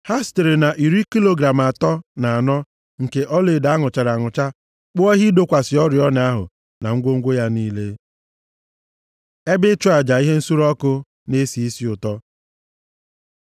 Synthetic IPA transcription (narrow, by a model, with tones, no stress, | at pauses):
ha˦ste˨ɾɪ˨na˨ʔi˨ɾi˦ki˦lo˦ɡɾa˨m˨a˨tɔ˦na˨a˨nɔ˦ | ŋ̩˨ke˨ʔɔ˦le˨da˨˦ŋʊ˨t͡ʃa˨ɾa˨ŋʊ˨t͡ʃa˦ | k͡pʊ˦ɔ˦ɦi˦do˦kʷa˨sɪ˨ɔ˦ɾɪ˨ɔ˦n˨a˦ɦʊ̰˨ | na̰˨ŋ̩˦ɡʷo˦ŋ̩˦ɡʷo˦ja˦niː˦le˦ | e˦bɪ˦t͡ʃʊ˦a˨d͡ʒa˨i˦ɦe˦n̩˦su˦ɾɔ˦kʊ˦ | ne˦si˨i˦si˦ʊ˨tɔ˦